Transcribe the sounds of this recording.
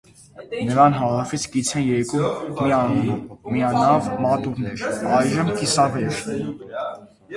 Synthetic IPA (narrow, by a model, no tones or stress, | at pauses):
nəɾɑnɦɑɾɑfit͡sʰkit͡sʰɛnjɛɾkumːiɑnunummiɑnɑvmɑt̪uɾnɛɾɑjʒəmkisɑvɛɾ